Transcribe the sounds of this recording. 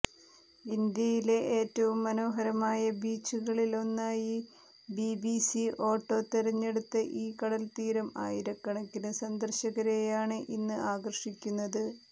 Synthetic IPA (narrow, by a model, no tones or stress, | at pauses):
ind̪jɐjile̞ʔeːtːɐʋumːɐno̞ːɦɐɾɐmaːjɐbiːt͡ɕːuɣɐɭilo̞nːaːji | bibisiʔo̞ːʈːo̞ːt̪eɾɐɲːe̞ɽut̪ːɐʔiːkɐɽɐlt̪iːɾɐma̰ːjiɾɐkːɐɳɐkʲːinɨsɐnd̪ɐrɕɐɣɐɾejaːɳɨʔinːɨaːɡɐrʂikʲːunːɐðɨ